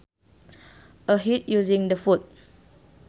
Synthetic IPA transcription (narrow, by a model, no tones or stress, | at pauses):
əɦit̚juzĩŋdəfut̚